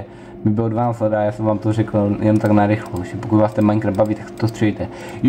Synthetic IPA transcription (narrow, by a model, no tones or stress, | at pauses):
mɪbɪlodvanaːt͡slɛdaajaːsɛmvaːmt̪orɛkl̩jɛnmt̪aknaɾɪxloʒɛpokut̪vaːst̪ɛnmaɪŋknɛbaviːt̪aksɛ̥t̪ost̪rɛjit̪ɛ | j